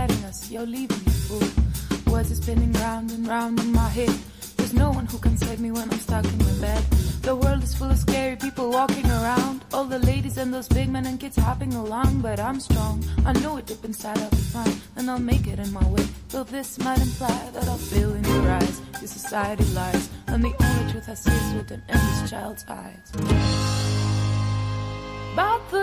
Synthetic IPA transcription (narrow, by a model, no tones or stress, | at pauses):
ɛɾɪ̃ŋʌsjolivɪ̃ŋɨfulˠwʌɪzɨsbɛ̃nɪ̃ŋɹãʊ̃ndɨ̃nɹãʊ̃ndɨ̃nmaɪɦɛd̪̚ | ðə˞znoʊwʌ̃nhukʰɨ̃nseɪvmiwə̃ñãɪ̃mstɑkɪ̃ŋɪbɛd̪̚ðəwɜ˞lˠdɨz̥fʊlˠʌv̥skɛɹipipl̩ˠwɔkɪ̃ŋə˞ãʊ̃ndɔlˠðəleɪɾizɨ̃nðoʊzbɪɡ̚mɛ̃nɨ̃nkɪdz̥hɑpɪ̃ŋəlɔ̃ŋbʌɾãɪ̃mstɹ̥ɔ̃ŋaɪnoʊɨt̚d̥ɪpɨ̃n̩z̥saɪɾʌə̥tʰãɪ̃mɨ̃naɪlˠmeɪkɨɾɨ̃nmaɪweɪsoʊðɪsmʌɾɨ̃npʰl̥aɪə˞ðɨɾaɪlˠfɪlˠɪ̃njə˞aɪzðɨsɨsaɪɨɾiʌvlaɪvz̥ə̃nðiʔõitʰɨθə̥sɛzwɨðɨ̃nɛ̃nɨst͡ʃʰaɪlˠdz̥a̰ɪz̥ | bat̚ðə